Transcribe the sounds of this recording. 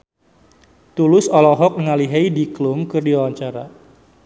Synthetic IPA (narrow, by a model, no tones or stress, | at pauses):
t̪ulʊsɔlɔɦɔk̚ŋaliɦaidiklʊmkɨrdiawaɲt͡ʃaɾa̰